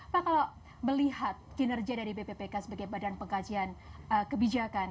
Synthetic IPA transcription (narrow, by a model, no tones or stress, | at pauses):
pakala | bərliɦat̪̚kinərɡiadaɾibepepekasəbaɡajbadanpəŋkad͡ʒianəkəbid͡ʒakan